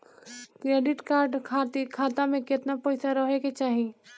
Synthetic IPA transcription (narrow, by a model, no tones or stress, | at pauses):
kɾeːɖɪʈkaːɾɖkʰaːt̪ikʰaːt̪ãmẽkɪt̪napɔːɪsaɾɐɦeket͡ʃaːɦi